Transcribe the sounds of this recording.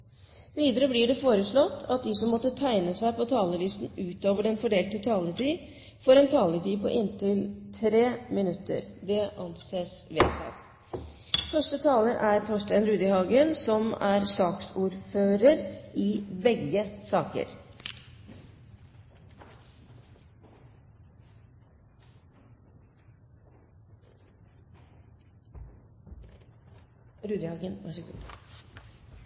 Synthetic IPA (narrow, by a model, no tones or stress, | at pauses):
ʋiːd̪əɾəblɪɖɛfoːɾəʂɭɔt̪ːɑt̪̚d̪ɪsɔmːɔt̪ːət̪ʰæɪnəsæɪpɔt̪ʰɑːləlɪst̪n̩ʉːt̪oːʋəɖɛnfɔɖeːlt̪ət̪ʰɑːləʈiː | foːɾɛnt̪ʰɑːləʈiːpʰɔ̰ʔɪnt̪ɪlt̪ʰɾeːmɪnʉt̪ːə̰ɾd̪ɛʔɑnseːsʋḛːt̪ʰɑ̰t̪ | fœʂʈət̪ʰɑːləʔæɾt̪ʰɔʂʈæɪənɾʉːd̪ɪhɑːɡənsɔmæɾsɑːksuːɾføːɾəɾɪːbɛɡəsɑːkə̰ɾ | ɾʉːd̪ɪhɑːɡənʋæʂəɡʉ̰ː